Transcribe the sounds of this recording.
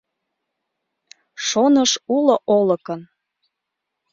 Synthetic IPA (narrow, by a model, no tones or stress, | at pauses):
ʃonəʃuloʔolə̆kən